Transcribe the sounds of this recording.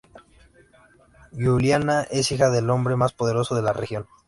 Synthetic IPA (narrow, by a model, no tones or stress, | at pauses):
juljanaʔe̞sixaðe̞lo̞mbɾe̞maspo̞ð̞e̞ɾo̞soðe̞larexjo̞n